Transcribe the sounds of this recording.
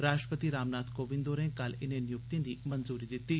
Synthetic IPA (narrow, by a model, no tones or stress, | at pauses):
ɾaːʃʈɾəpət̪iɾaːmnaːd̪koːʋɪ̃nd̪oːɾɛ̃ːkɐlɪnẽnɪjʊk̚t̪ẽd̪iːmɐnzuːɾiːd̪ɪt̪ːiː